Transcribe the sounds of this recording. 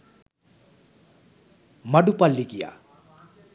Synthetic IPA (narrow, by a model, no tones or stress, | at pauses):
mʌɖupalːikija̰